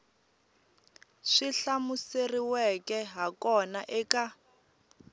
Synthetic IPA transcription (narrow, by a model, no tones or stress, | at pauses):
ʂiɬamuseriwɛkɛɦakɔnaʔɛka